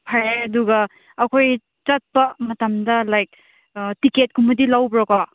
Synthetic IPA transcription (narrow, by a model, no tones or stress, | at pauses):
pʰɐɾeɐduɡɐ | ɐkʰoj | t͡ʃɐt̚pɐmɐtɐmdɐlajk̚ | tiket̚kʰumɐdilawbɾɔka